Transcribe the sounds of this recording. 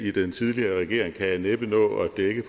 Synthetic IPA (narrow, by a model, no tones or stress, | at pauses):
id̥ent͡sʰið̞ˠliɐːʁɛɡ̥e̝ɐ̰e̝ŋkʰæjæneb̥ənɔ̰̽ːɒd̥eɡ̥əpʰ